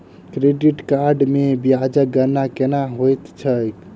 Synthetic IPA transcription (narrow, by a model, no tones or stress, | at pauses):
kɾeɖiʈkaɾɖmebiad͡ʒəɡənakenaɦojt̪t͡ʃʰəjk